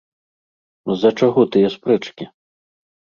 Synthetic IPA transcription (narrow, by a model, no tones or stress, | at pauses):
zɐt͡ʂaɣɔt̪ɨjɐspɾɨt͡ʂkʲi